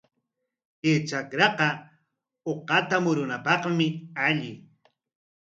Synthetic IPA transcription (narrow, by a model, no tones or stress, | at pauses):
et͡ʃakɾɑqɑ | oqɑt̪amʊɾʊnapɑqmɪaʎɪ